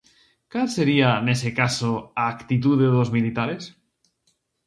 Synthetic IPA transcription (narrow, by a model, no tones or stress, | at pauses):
kalseɾianesekasoaːkt̪it̪̬uðeðozmilit̪aɾes